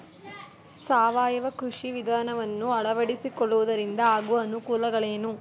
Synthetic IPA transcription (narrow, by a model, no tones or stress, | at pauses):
saːʋaːjɐʋɐkɾuʂiʋid̪ʱaːnɐʋɐnːuɐɭɐʋɐɽisikɔɭːuʋud̪ɐɾind̪ɐaːɡuʋɐːnukuːlɐɡɐɭe̞ːnu